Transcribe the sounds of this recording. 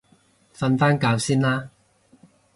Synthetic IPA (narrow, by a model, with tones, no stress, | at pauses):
fɐ˧nfaː˥nkaː˨˧wsiː˥nlaː˥